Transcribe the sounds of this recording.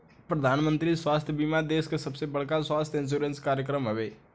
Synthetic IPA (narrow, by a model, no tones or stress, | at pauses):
pɾəd̪ʱaːnmə̃nt̪ɾiswaːst̪ʰjəbimad̪eːskesəbsebəɽkaswaːst̪ʰɪ̃nʃ̬uːɾenskaːɾjək̬ɾəmɦəʋeː